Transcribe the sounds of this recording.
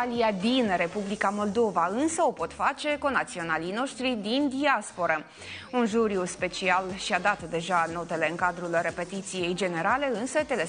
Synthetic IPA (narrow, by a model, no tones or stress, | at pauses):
aliad̪inre̞publikamo̞ld̪o̞vaɨnsəo̞po̞t̪fat͡ʃe̞ko̞nat̪sio̞nalino̞ʃt̪ɾid̪ind̪iaspo̞ɾə | unʒuɾiuspe̞t͡ʃialʃiad̪at̪d̪e̞ʒano̞t̪e̞le̞ɨŋkad̪ɾulre̞pe̞t̪it̪sije̞jd͡ʒe̞ne̞ɾale̞ɨnsət̪e̞le